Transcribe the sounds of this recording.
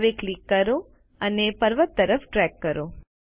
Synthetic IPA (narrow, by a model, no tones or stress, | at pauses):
ʋeklikːəɾo | ənepəɾʋət̪ːəɾəfʈɾɛkːəɾo